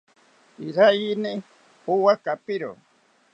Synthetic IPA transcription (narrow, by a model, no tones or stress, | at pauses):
iɾajini | uwakapiɾo̰